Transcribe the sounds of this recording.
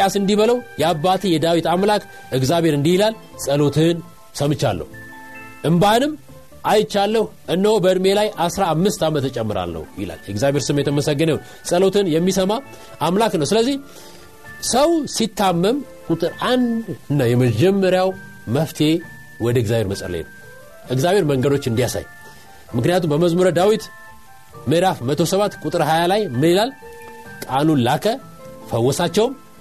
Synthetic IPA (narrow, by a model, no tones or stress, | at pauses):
asɨnd̪iβələwjɛabːat̪ʰɨnjɛd̪awit̪amlak | ɨɡzaβe̞ɾɨnd̪ihilal | sʼəlo̞t̪ʰɨn | səmɨt͡ʃːa̰lːə̰hu | ʔɨmbanɨm | ʔajɪt͡ʃːalːəh | ʔɨnːəhobəɨd̪me̞lajʔasɾaːmːɨst̪amət̪ːt͡ʃʼɛmːɨɾa̰lːə̰hjɪ̰la̰lːjɛɨɡzaβbe̞ɾsɨmːet̪əməsəɡːənəw | sʼəlo̞t̪ʰɨnjɛmːisəmaː | mlaknəwsɨləzːih | səwsit̪ʰːamːəm | kʼut̪ʼɨɾand̪ɨnːajɛməd͡ʒɛmːəɾjaw | məft̪ʰe̞ | wɔd̪əɨɡzaβhe̞ɾməsʼə̰ɾlḛnəw | ʔɨɡzaβe̞ɾməŋɡəd̪o̞t͡ʃːɨnd̪ijasa̰j | mɨknɨjat̪umbəməzmuɾəd̪awit̪ | mɨɾafmət̪ʰo̞səβat̪ːkʼut̪ʼɨɾhajalajmɨnilal | kʼanulakʰə | fəwːɔsat͡ʃːɛwm